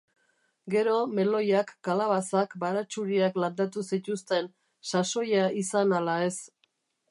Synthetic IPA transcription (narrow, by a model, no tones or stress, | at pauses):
ɡe̞ɾo̞me̞lo̞jakːalaβasakbaɾat͡ʃuɾiakland̪at̪usit̪ust̪e̞n | saso̞jaisanalae̞s